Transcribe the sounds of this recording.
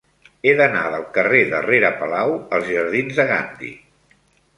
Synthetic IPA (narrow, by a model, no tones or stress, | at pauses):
eðəna̰ðəlˠkəreðə̰reɾəpəlawəlˠzʒəɾðinzðəɣand̪ḭ